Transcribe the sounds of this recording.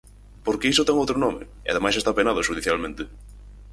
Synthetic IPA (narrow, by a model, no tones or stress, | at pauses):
poɾkeisʊt̪ɛŋowt̪ɾonɔmɪ̰ | ɪa̰ðemajsest̪apenaðʊʃuðiθjalmẽnt̪ɪ